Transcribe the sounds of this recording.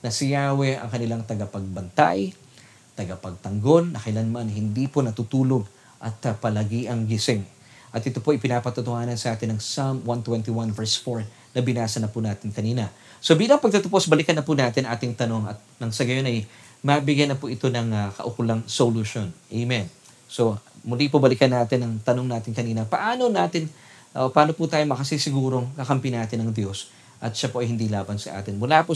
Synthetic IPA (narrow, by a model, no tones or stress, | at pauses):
nɐsɪjaːwɛʔɐ̰ŋkɐnɪlaŋt̪ɐɡɐpɐɡ̚bɐnt̪a̰j | t̪ɐɡɐpɐɡ̚t̪ɐŋɡo̞lːɐkɐɪlɐnmɐnɦɪnd̪iponɐt̪ut̪uːlo̞ɡ̚ | ʔɐt̪ːɐpɐlɐɡiːʔɐŋɡɪsɪŋ | ʔɐt̪ʔɪt̪o̞poʔɐjpɪnaːpɐt̪ut̪ohaːnɐnsɐʔaːt̪ɪnːɐŋsamwant̪wɛnt̪iwanvɛɹsfoɹ | nɐbɪnaːsɐnɐpunaːt̪ɪnkɐniːnɐ | so̞biːlɐŋpɐɡ̚t̪ɐt̪opo̞sbɐlɪkɐnːɐpunaːt̪ɪnɐŋʔaːt̪ɪŋt̪ɐno̞ŋɐt̪̚nɐŋsɐɡɐjo̞nɐj | mɐbɪɡjanːɐpuʔɪt̪o̞nɐŋɐkɐ̰ʔʊkʊlɐŋsoluʃonʔejmɛn | so̞mʊlipʊbɐlɪkɐnːaːt̪ɪnːɐŋt̪ɐno̞ŋnaːt̪ɪŋkɐniːnɐpɐʔaːno̞naːt̪ɪn | ʔopɐʔaːno̞put̪aːjomɐkɐsisɪɡuːɾo̞ŋkɐkɐmpinaːt̪ɪnɐŋd̪jo̞s | ʔɐt̪̚ʃɐpoʔɐjhɪnd̪ilaːbɐnsɐ̰ʔa̰ːt̪ɪnmʊlapʊ